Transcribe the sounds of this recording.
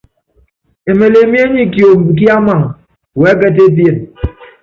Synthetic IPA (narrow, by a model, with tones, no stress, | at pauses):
e˨me˨le˨mi˦e˦ɲi˦kjo˨m̩˨bi˨k̬i˦a˦ma˨ŋ | we˨˦ke˦t̬e˦p̬je˨n